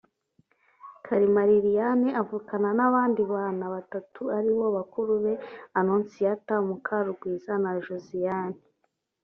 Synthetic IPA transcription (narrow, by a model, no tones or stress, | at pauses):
kʰaɾimaɾiɾijaneʔavukananaβaːndiβaːnaβatatʰuaɾiβo̞βakuɾuβe̞anunsijatamukʰaɾuɡwiːzanaʒuzijaːni